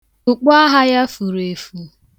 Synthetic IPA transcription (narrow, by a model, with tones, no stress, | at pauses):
ʊ˨k͡pa˦ɦa˦ja˦fu˨ɾe˨fu˨